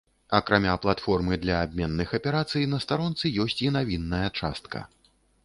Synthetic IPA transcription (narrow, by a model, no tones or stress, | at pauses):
ɐkɾamʲaplˠat̪fɔrmɨd̪lʲɐːb̚ʲmʲɛnːɨxɐpʲɛɾat̪sɨjnɐst̪aɾɔnt̪sɨjɔsʲt͡sʲinavʲinːɐjɐt͡ʂa̰st̪kɐ̰